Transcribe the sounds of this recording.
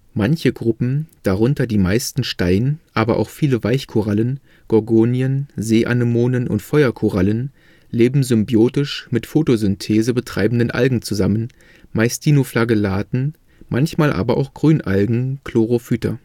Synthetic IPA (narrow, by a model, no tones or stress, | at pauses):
mançəɡʁʊpm̩d̥aʁʊntɐdiːmaɪstn̩ʃtaɪnʔaːbɐʔa̰ʊxfiːləvaɪçkʰoʁalən | ɡ̥ɔɐɡoːnjənzeːʔa̰nəmoːnənʔʊ̰ntfɔʏɐkʰoʁalən | leːbm̩zʏmbjoːtɪʃmɪtfoːtozʏntʰeːzəbətʁ̥a̰ɪbm̩dənʔa̰lɡŋ̩t͡suzamən | maɪstʰiːnoflaɡəlaːtn̩ | mʔançmaːlʔa̰ːbɐʔa̰ʊxɡ̥ʁyːnʔa̰lɡŋ̩kʰl̥oʁofyːtɐ̰